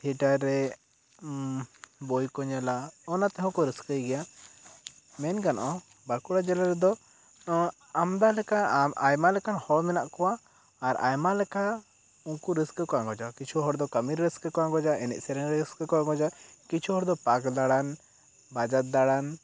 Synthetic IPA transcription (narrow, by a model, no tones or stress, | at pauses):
t̪ʰiʈaɾɛ | bɔjkɔɲalaɔnat̪ɛɦɔ̃kɔɾiskəjɡɛja | mɛnkanʔɔ | baɾkuɽad͡ʒɛlaɾɛd̪ɔ | amd̪alɛkaajmalɛkanhɔɽmɛnaʔkɔwaː | ɾa̰jmalɛka | uŋkuɾiskəkɔaŋɡɔd͡ʒakit͡ʃʰuɦɔɽd̪ɔkəmiɾːiskəkɔaŋɡɔd͡ʒaʔɛnɛ̰ʔ̚sɛɾɛŋɾiskəkɔaŋɡɔd͡ʒakit͡ʃʰuɦɔɽd̪ɔpakd̪aɽan | bad͡ʒat̪̚d̪aɽan